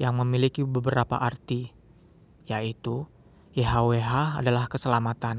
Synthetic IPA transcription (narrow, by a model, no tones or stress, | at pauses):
jaŋməmilikibəbəɾapa̰ʔart̪i | jait̪u | jeɦaweɦaːdalahkəsəlamat̪an